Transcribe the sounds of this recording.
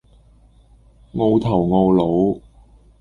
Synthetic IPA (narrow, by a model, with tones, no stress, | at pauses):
ŋo˧wt̪ʰɐ˨˩wŋo˧wlo˨˥w